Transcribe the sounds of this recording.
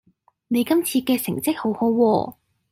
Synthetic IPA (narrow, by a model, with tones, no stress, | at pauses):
ne˨˧jkɐ˥mt͡sʰiː˧kɛː˧sɪ˨˩ŋt͡sɪ˥k̚ho˨˥who˨˥wwɔː˧